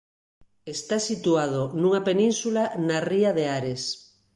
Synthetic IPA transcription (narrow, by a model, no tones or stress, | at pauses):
est̪asit̪uaðonũŋapenĩnsulanariaðeaɾes